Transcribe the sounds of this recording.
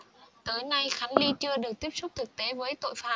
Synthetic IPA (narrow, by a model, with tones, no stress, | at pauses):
t̪əː˨˦jna˧jxa˨˦jŋ̟li˧t͡ɕɨ˧əɗɨ˨˩ək̚t̪i˦˥əp̚sʊ˦˥k͡p̚t̪ʰɨ˨˩k̚t̪e˨˦vəː˨˦jt̪o̰˧˨jfaː˨˦˥